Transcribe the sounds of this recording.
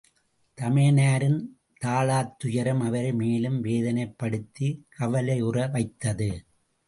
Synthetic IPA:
t̪ɐmeːnaːɾɪn | t̪aːɭaːt̪ːʊjɐɾɐmɐʋɐɾɐɪmeːlɯmʋeːðɐnɐɪpːɐɽɯt̪ːikʰɐʋɐlɐɪʊrɐʋɐɪt̪ːɐðɯ

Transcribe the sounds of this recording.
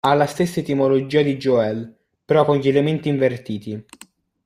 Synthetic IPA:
alːast̪esːaet̪imolod͡ʒiːad̪id͡ʒoɛl | pɾɔkoɲʎelement̪iːɱvert̪iːt̪i

